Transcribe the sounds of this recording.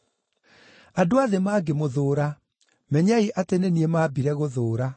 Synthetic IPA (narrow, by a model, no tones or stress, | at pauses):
adoaðemaːɡemoðoːɾa | mɛɲaiʔateneniemaːbiɾɛɣoðoːɾa